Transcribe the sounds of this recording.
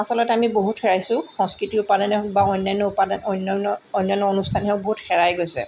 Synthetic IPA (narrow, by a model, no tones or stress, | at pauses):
asɔlɔtɛamiboɦutxɛɹajsʊ̃xɔ̃ŋskɹitiʊpadanɛbaɔjnːajnːɔupadanɔjnɔnɔɔjnːajnːɔonustʰanɦɛʊboɦutxɛɹajɡojsɛ̰